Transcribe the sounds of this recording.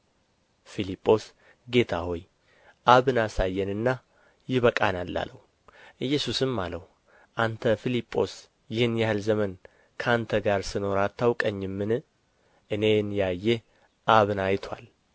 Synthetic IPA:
filipʼːo̞s | ɡe̞t̪ʰaho̞j | ʔaβɨnasajːɛnɨnːa | jɪβəkʼanalːa̰ləhu | ʔɨjːɛsusɨmːaləhu | ʔant̪ʰəfilipʼːo̞̰s | jɪhɨnjahɨlzəmən | kʰant̪ʰəɡaɾsɨno̞ɾat̪ʰːawkʼəɲːɪmːɨnɨ | ʔɨne̞njajːe | ʔaβɨnajt̪ʰwa̰l

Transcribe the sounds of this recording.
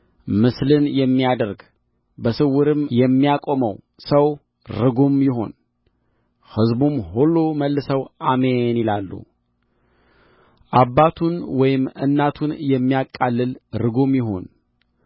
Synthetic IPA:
mɨslɨnjɛmːijad̪əɾɡ | bəsɨwːʊɾɨmjɛmːijakʼo̞məw | səw | ɾɨɡumjɪɦo̞̰n | hɨzbumhulːuməlːɨsəwʔamenilalːṵ | ʔabːat̪ʰunwɔjɪmɨ̰nːat̪ʰunjɛmːijakʼːalːɨlɾɨɡomjɪɦo̞̰n

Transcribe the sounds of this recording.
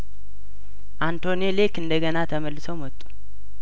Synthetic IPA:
ʔant̪ʰo̞nelekɨnd̪əɡənat̪ʰəməlːɨsəwmɔt̪ʼːu̥

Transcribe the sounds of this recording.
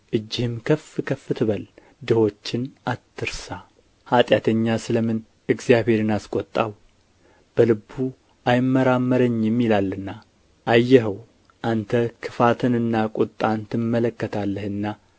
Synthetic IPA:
ʔɨd͡ʒːɪhɨmkʰəfɨkʰəfɨt̪ʰɨβəl | d̪ɨho̞t͡ʃːɪnʔat̪ʰːɨɾsa | hat̪ʼjat̪ʰəɲːasɨləmɨn | ɨɡzijaβhe̞ɾɨnaskʼɔt̪ʼːaw | b̥əlɨbu | ʔajmːəɾamːəɾəɲːɪmːɪlalːɨnːa | ʔajːɛɦəw | ʔant̪ʰəkʰɨfat̪ʰɨnɨnːakʼʊt̪ʼːant̪ɨmːələkːət̪ʰalːəhɨnːa

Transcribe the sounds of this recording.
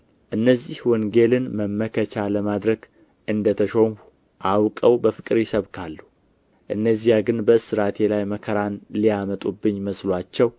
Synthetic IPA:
ʔɨnːəzːihwɔŋɡe̞lɨnməmːəkʰət͡ʃaləmad̪ɾəɡ | ʔɨnd̪ət̪ʰəʃoŋu | ʔawkʼəwbəfɨkʼɨɾjɪsəβkʰalːu | ʔɨnːəzːijaɡɨnbəsɨɾat̪ʰe̞lajməkʰəɾanlijamət̪ʼubːɨɲːməslwat͡ʃːɛw

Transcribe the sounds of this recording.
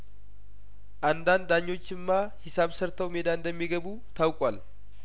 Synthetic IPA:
ʔand̪and̪aɲːo̞t͡ʃːɪmːahɪsaβsəɾt̪ʰəwmed̪and̪əmːiɡəβu | t̪ʰawkʼwal

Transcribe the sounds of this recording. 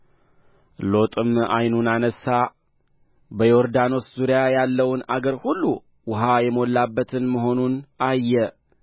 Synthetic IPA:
lo̞t̪ʼɨma̰jnunanəsːa | bəjoɾd̪ano̞szuɾijajalːəwnaɡəɾhulːu | wʊɦajɛmo̞lːabːət̪ʰɨnməɦo̞nunʔajːɛ

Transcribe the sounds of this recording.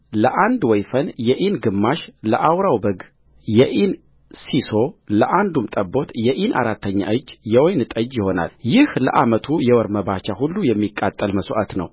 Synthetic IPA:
ləʔand̪wɔjfənjɛʔinɡɨmːaʃləʔawɾawbəɡ | jɛʔin | siso̞ləʔand̪umt̪ʼəbːo̞t̪jɛʔinʔa̰ɾat̪ːəɲːa̰ʔɨd͡ʒːjɛwojnɨt̪ʼəd͡ʒjɪho̞na̰ljɪhlə̰ʔamət̪ʰujɛwɔɾməbat͡ʃahulːujɛmːikʼːat̪ʼːəlməsʔat̪nə̰w

